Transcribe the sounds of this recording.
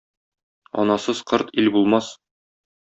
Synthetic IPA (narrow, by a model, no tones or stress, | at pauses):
ɒ̰nɑsɤzqɤɾt̪ilbulˠmɑs